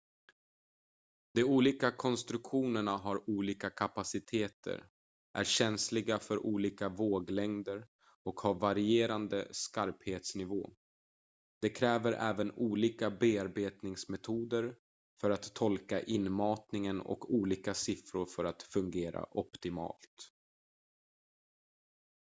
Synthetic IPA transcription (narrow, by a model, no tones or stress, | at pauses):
d̪̥ɛuːliːkakʰɔnst̪ɾɵkɧuːnəɳaɦaɾuːliːkakʰapasɪt̪ʰeːt̪ʰə̰ɾ | ʔæ̰ɾɕɛnslɪɡafœɾʔuːliːkavoːɡlɛŋd̪əɾ | ɔkhavaɾɪeːɾand̪əskaɾpheːt̪snɪvo̰ː | d̪̥ɛkʰɾɛːvəɾʔɛːvənuːliːkabeːaɾbeːt̪nɪŋsmɛt̪ʰuːd̪əɾ | fœɾat̪ʰːɔlkaʔɪnːmɑːt̪nɪŋənɔ̰kʰuːliːkasɪfɾʊɾfœɾat̪fɵŋɡeːɾa̰ʔɔpt̪ɪmɑ̰ːlt̪